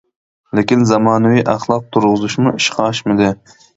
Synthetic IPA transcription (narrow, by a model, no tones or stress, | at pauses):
lɪkʲinzɑmɑːnɨwiʔɑχlˠɑq̚t̪ʰuɾʁɨzuʃmuiʃqʰɑʃmɪd̪ɪ